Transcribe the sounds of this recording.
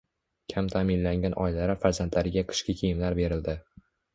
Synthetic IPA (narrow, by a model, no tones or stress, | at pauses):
kʲʰamt̪ʰamɪnlaŋɡʲanʔɒjlaɾɪfaɾzant̪ʰlaɾɪɡʲaqʰɨ̥ʃkʲɪkʲʰejɪmlaɾbe̞ɾɪld̪ɪ